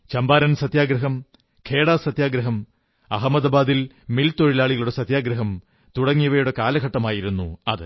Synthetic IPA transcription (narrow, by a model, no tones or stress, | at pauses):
t͡ɕɐmbaːɾɐnsɐt̪jaːɡɾɐɦɐm | kʰe̞ːɽaːsɐt̪jaːɡɾɐɦɐm | ɐɦɐmɐd̪ɐbaːd̪il | milt̪oɻilaːɭiɣɐɭuɽesɐt̪jaːɡɾɐɦɐm | t̪uɽɐŋːijɐʋɐjuɽe̞kaːlɐɡʱɐʈːɐmaːjiɾunːuɐ̰ðɨ